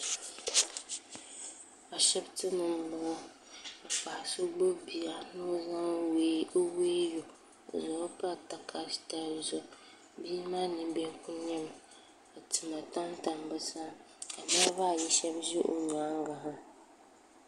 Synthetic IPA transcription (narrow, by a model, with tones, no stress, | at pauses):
a˨ʃɛ˦btɨ˦nɨ˨m˦lʊ˨ʊ˦ | a˨fa˨a˨so˦ɡ͡bo˦bi˨a˨no˦za˦ŋwweː˦jo˨ | zɔ˨˦pa˦ta˨kʰḁ˨ta˦˨zɔ˨ | biː˦maː˦nɨ˨bɛ˦ku˦ɲɛ˦m˨ | a˨tɨ˨ma˨ta˦n˦ta˨mbɨ˦sa˦ | a˨naː˦ba˦˨ji˦ʃɛ˦bʒɪ˦ʔo˨ɲaː˨˦ŋ˦ɡa˨ɦa˦